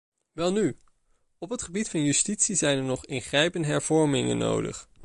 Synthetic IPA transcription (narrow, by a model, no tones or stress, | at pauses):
ʋɛlˠny | ɔpɦətχəbitfɑnjystitsizɛjnəɹnɔχɪnχrɛjpəndɦɛɹv̥ɔɹmɪŋə̰no̰wdə̰χ